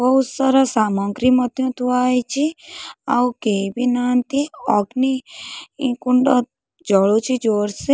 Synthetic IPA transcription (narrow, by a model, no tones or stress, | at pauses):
bɔud͡ʒsəɾəsamɔ̃ŋɡɾimət̪jũt̪ʰuajt͡ʃʰiaukebinant̪iɔɡniĩkuɳɖo | d͡ʒəɭut͡ʃʰid͡ʒoɾse